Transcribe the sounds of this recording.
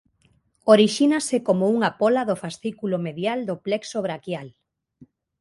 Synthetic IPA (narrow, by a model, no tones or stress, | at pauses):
oɾiʃinasekomouŋapɔlaðofasθikulomeðjald̪oplɛksoβɾakjal